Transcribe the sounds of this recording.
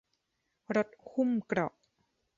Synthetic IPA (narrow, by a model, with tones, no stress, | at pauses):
ɾo˦˥t̪̚hu˥˩mkɾɔ˨˩ʔ